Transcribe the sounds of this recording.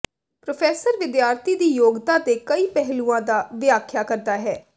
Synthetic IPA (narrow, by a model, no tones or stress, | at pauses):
pɾopʰɛːsəɾʋɪd̪jaːɾt̪ʰiːd̪iːjoːɡd̪ãːt̪eːkəiːpɛɦlũːãːd̪aːʋɪaːkʰjaːkəɾd̪aːɦɛː